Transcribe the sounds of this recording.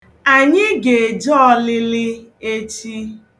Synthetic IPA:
a˨ɲɪ˦ɡe˨e˨d͡ʒɔ˦lɪ˦lɪ˦e˦t͡ʃi˦

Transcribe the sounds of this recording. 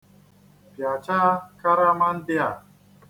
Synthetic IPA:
pja˨t͡ʃa˦ka˦ɾa˦ma˦n˦tɪ˦a˨

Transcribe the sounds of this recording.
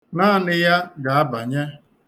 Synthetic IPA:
naː˦˨nɪ˦ja˦ɡa˨a˦ba˨ɲe˦

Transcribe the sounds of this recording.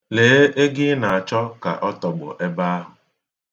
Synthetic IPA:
leː˨˦ʔe˦ɡɪ˦na˨a˨t͡ʃɔ˦ka̰˨ʔɔ˦tɔ˨ɡ͡bʊ̰˨ʔe˦ba˦a˦ɦʊ˨

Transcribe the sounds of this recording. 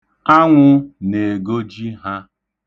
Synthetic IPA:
a˦ŋʷʊ˦ne˨ɡo˦d͡ʒi˦ɦa˦

